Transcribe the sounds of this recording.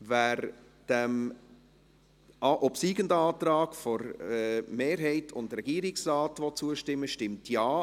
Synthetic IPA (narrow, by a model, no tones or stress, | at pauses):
væːɾ | d̥æm | ʔɑʔɔpsiːɡəndəɑːtɾɑːɡ̥fɔɾɛmeːɾɦɛɪtʰʊndɾɛɡiːɾɪksrɑːtʋɔt͡suəʃtɪmːəʃtɪmtʰjɑː